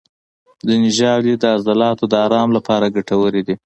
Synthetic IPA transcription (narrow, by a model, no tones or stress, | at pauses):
d̪ənɪʒɑwlid̪əazalɑt̪od̪əaɾɑmlapɑɾaɡaʈawəɾed̪i